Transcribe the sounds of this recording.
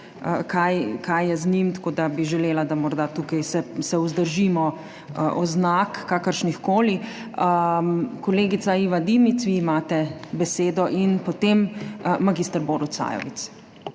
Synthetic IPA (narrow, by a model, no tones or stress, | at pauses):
əkajkajːɛznimt̪ḁkoːd̪abiʒɛleːlad̪amɔɾd̪at̪ukajsɛsɛuzd̪əɾʒimɔ | ʔɔznakːaːkəɾʃnixkoːli | əkɔleːɡit̪saiʋad̪imit̪sʋiːmaːt̪ɛbɛseːd̪ɔʔinpot̪emːaɡiːst̪əɾboɾusa̰ːjɔ̰ʋit̪s